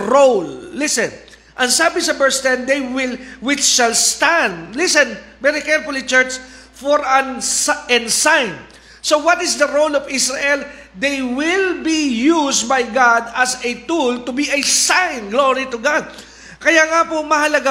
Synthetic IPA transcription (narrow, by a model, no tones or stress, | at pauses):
ɹolːɪsɛ̃n | ʔɐ̃ŋsaːbɪsɐbɛɹst̪ɛ̃nd̪ejwɪlwɪt͡ʃʃɐlst̪ãnd̪̚lɪsɛ̃nvɛɾikɛɹfʊlɪt͡ʃɛɹt͡ʃ | fɔɹɐ̃nʔɛ̃nsãjn | sowɐt̪ɪsd̪ɐɹowlɔvɪsɹɐʔɛl | d̪ejwɪlbijus̚bajɡad̪ɐsɛt̪ult̪ʊbiʔɐsãjnɡloɹit̪ʊɡad̪̚ | kɐjaŋapomɐhɐlɐɡa